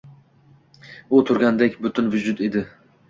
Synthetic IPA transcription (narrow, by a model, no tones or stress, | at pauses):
ʊt̪ʰʊɾɡʲand̪ekʲbʊt̪ʰʊnvʊd͡ʒʊt̪ed̪ɪ